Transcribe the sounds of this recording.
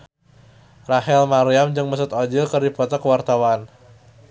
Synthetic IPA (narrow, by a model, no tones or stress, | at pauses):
raɦɛlmaɾiamd͡ʒɨŋməsʊt̪ɔd͡ʒɪlkɨrdipɔt̪ɔkəwart̪awan